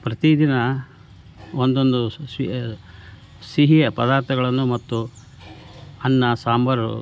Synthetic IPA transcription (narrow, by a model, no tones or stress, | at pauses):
pɾɐt̪id̪inɐ | ond̪o̞nd̪usʋi | siɦijɐpɐd̪aːɾt̪ʰɐɡɐɭɐnːumɐt̪ːu | ɐnːɐsaːmbɐɾu